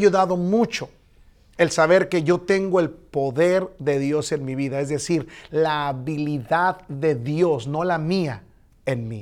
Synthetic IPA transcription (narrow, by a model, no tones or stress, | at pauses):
juðaðo̞mut͡ʃo̞ | elsaβe̞ɾke̞ʝo̞t̪e̞ŋɡo̞e̞lpo̞ðe̞ɾðe̞ðjo̞se̞nmiβiðae̞zðe̞siɾlaːβiliðaððe̞ðjo̞sno̞lamia | enmi